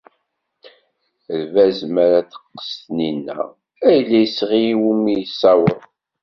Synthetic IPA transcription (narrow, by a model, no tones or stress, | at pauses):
əlvæzmæɾæθə̥qːə̥st̪ninːæ̰ | æjlːæjəsʁijwumːijsːæwəɾˤ